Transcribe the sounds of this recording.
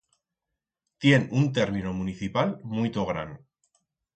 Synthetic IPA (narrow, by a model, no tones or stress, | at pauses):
t̪je̞nunt̪̬e̞ɾmĩnomũniθipalmujt̪oɣɾa̰n